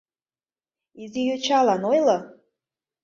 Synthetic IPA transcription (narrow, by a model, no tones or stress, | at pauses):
izijøt͡ʃʰalanojla